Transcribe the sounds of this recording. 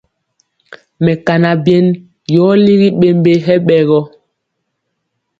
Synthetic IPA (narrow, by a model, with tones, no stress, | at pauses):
mɛ˨ka˨na˨bjɛ˦n | jɔː˨˦li˦ɣi˦ɓe˨m˦be˦ɦɛ˦ɓɛ˨ɣɔ˦